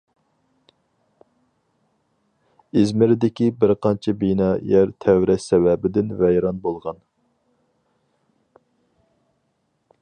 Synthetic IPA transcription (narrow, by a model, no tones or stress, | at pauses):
izmɪɾɪd̪ɪkʲibɪɾqʰɑnt͡ʃʰɛbinɑːjɛɾt̪ʰɛwɾɛʃsɛwɛbɪd̪ɪnvɛjɾɑnbolˠʁɑn